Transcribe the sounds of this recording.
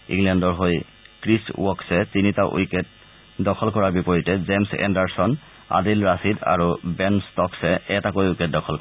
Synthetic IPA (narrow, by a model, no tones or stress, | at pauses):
ḭ̃ŋlɛndɔɹɦoj | kɹiswɔksɛtinitaʔṵjkɛt̚ | dɔkʰɔlkɔɹaɹbipɔɹitɛzemsɛ̰ndaɹsɔn | a̰dilɹasida̰ɹubɛnstɔksɛɛtakojojkɛt̚dɔkʰɔlkɔ